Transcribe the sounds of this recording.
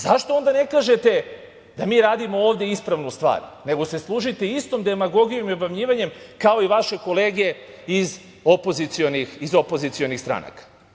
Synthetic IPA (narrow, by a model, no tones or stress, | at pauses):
zaʃt̪oo̞nd̪ane̞kaːʒe̞t̪e̞ | d̪amiːɾaːd̪imo̞oːʋd̪jeispɾaʋnust̪ʋa̰ːɾne̞ɡo̞se̞slˠuʒit̪eist̪o̞md̪e̞maɡo̞ɡijo̞miobamɲiːʋaɲe̞mkao̞iʋaʃe̞ko̞le̞ːɡe̞ | iz | o̞po̞zit̪sio̞nixizo̞po̞zit̪sio̞nixst̪ɾa̰na̰kḁ